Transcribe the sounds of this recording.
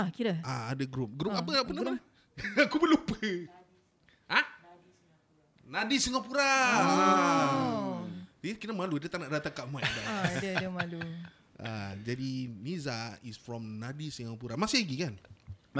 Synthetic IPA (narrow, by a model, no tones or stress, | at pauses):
akiɾaaadəɡɾup̚ɡɾupapəap̬ənaman | akubəlupə | a | nadisiŋapuɾa | akiɾəmaludiət̪aʔnaʔdat̪akaʔmuadadədəmalu | a̰d͡ʒadinizaisfɹɔ̃mnadisiŋapuɾamasɪɡikan